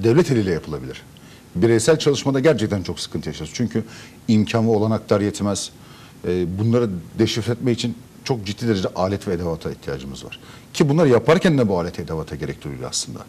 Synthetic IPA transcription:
d̪ɛvlʲɛt̪ʰelʲiːlʲɛjapʰɯlˠabilʲḭɾ̥ | biɾejsælʲt͡ʃʰalˠɯʃmad̪aɟæɾt͡ʃʰɛc̚t̪ʰænt͡ʃʰo̞ksɯ̥kʰɯnt̪ʰɯjaʃaɾɯzt͡ʃʰyɲcʰy | imcʰanvɯo̞lˠanak̚t̪ʰaɾjɛt̪ʰmɛz̥ | ɛːbunlˠaɾɯd̪eʃifɾʲɛt̪mɛcit͡ʃʰin | t͡ʃʰo̞k̚d͡ʒit̪ʰːiːd̪eɾed͡ʒɛʔaːlʲɛt̪vɛːd̪evat̪ʰaiht̪ʰija̰ːd͡ʒɯmɯzva̰ɾ̥ | cʰibunˠaɾɯjapʰaɾcʰænd̪ɛbuaːlʲɛt̪ɛd̪avat̪ʰaɟe̞ɾɛc̚t̪ʰuɾuj̪̰a̰slˠɯnd̪a̰

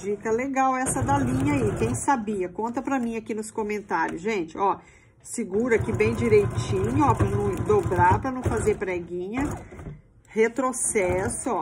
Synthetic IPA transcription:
d͡ʒikɐleɡawɛsɐd̪ɐlĩɲɐikẽj̃sabiɐkõnt̪ɐpɾɐmĩakinʊskõmẽnt̪aɾjʊsʒẽt͡ʃɪɔ | sɪɡuɾɐkɪbẽj̃d͡ʒiɾejt͡ʃĩɲʊɔpɾɐnɐ̃d̪obɾaɾpɾɐnɐ̃w̃fazeɾpɾɛɡĩɲɐ | het̪ɾosɛsʊɔ

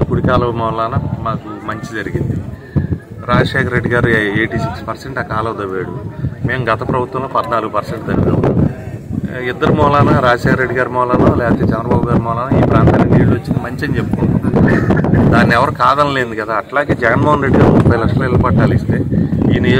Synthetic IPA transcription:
kuɽikaːlɐmɔːlaːnɐmaːkumɐɲt͡ʃid͡ʒɐɾiɡind̪i | ɾaːd͡ʒɐʂɛːkʰɐɾeɖːiɡaːɾueːʈiːsikspɐɾseɳʈakaːlɐwd̪ɐʋeːɽume̞ːmuɡɐt̪ɐpɾɐbut̪wɐ̃mloːpɐd̪naːluɡupɐɾseɳʈd̪ɐɾiɡa̰ː | id̪ːɐɾumɔːlaːnɐɾaːd͡ʒɐʂɛːkɐɾːeɖːiɡaːɾumɔːlaːnoːlɛːpɐt̪eːt͡ʃɛnd̪ɾɐbaːbuɡaːɾimɔːlaːnɐiːpɾaːnt̪aːneɳɖeːɽuʋɐt͡ʃːinimɐɲt͡ʃɐnt͡ʃepːoi | d̪aːnːiɛʋɐɾukaːd̪ɐnle̞ːnd̪ukɐd̪aːɐʈlaːɡe̞ːd͡ʒɛɣɐnmoːɦɐnɾe̞ɖːiɡaːɾumupːɐjlɐkʂɐloːilɐpɐʈːaːlist̪e̞ːḭːnij

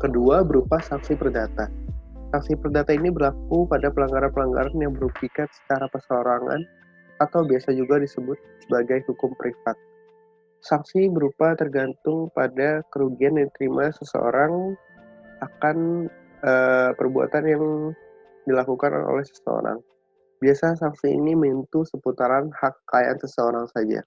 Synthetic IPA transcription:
kəduabəɾupasaŋsipərdat̪asaŋsipərdat̪ainibərlak̚upadapəlaŋɡaɾanpəlaŋɡa̰ɾanjaŋməɾupikansə̥t͡ʃaɾapəsoɾaŋa̰n | at̪awbiasad͡ʒuɡadisəbʊt̪̚səbaɡajhukʊmpɾʔifat̪̚ | saŋsibəɾupat̪ərɡant̪ʊŋpadakəɾuɡiandat̪əɾimʔasəsə̰o̰ɾaŋ | akan | əpərbua̰t̪anjaŋ | dilakukan̰o̰lɛhsə̥sə̰o̰ɾa̰ŋ | biasasaŋsiḭniməint̪usəput̪aɾanhakːaja̰nsəsəoɾaŋsad͡ʒa̰

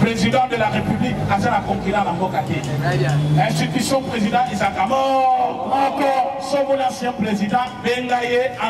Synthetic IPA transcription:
pʁezid̪ɑ̃d̪əlaʁepyblikazanakɔ̃ŋkilãlambɔkake | ɛ̃st̪it̪ysjɔ̃pʁezidɑ̃ʔezakamɔ | kɔsobolãsjɛ̃pʁezid̪ɑ̃beŋɡajeã

